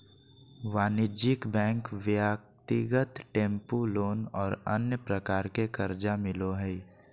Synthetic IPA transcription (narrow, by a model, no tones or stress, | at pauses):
ʋaːnɪd͡ʒɪkbɛ̃ːŋkʋjak̚t̪ɪɡət̪ʈẽːmpuloːnɔːɾə̰njəpɾəkaːɾkekəɾd͡ʒamɪloɦɛ